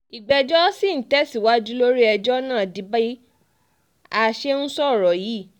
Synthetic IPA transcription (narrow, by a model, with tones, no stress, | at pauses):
i˨ɡ͡bɛ˧d͡ʒɔ˦si˦˨n̩˨tɛ˦si˦˨wa˨˦d͡ʒu˦lo˦ɾi˦ɛ˧d͡ʒɔ˦nãː˦˨di˨˦ba˦i˦ | a˧ʃe˦ñ̩˦sɔ˦˨ɾɔ˨ji˨˦˨